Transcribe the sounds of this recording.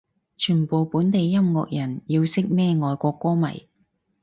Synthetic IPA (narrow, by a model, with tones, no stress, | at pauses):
t͡ʃʰyː˨˩npo˨wpuː˨˥nt̪e˨jːɐ˥mŋɔː˧k̚jɐ˨˩njiː˧wsɪ˥k̚mɛː˥ŋɔː˨jkʷɔː˧kːʷɔː˥mɐ̰˨˩j